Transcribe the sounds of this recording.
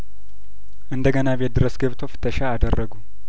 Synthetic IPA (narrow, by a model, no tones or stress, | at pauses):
ʔɨnd̪əɡənaβed̪ɨɾəsɡəβt̪ʰofɨ̥t̪ʰːəʃaːd̪ərːəɡu